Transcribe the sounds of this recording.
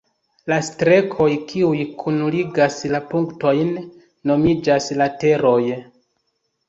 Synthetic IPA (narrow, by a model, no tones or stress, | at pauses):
lastɾe̞kʰo̞jkʰiujkʰunuliɡaslapuŋkto̞jnː | o̞mid͡ʒaslate̞ɾo̞j